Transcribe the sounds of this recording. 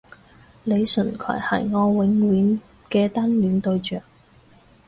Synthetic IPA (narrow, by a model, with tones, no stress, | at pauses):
le˨˧jsɵ˨˩nkʰœ̰ː˨˩jhɐ̰˨˩jŋɔː˧wɪ˨˥ŋwiː˨˥n | kɛː˧t̪a˥nlyː˨˥nt̪ɵ˧ɥt͡ʃœː˨˩k̚